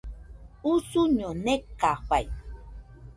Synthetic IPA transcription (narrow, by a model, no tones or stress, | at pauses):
usuɲonekːaɸaj